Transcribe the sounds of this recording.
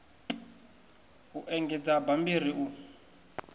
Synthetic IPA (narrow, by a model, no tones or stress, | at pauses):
uʔɛŋɡɛd͡zabambiriʔu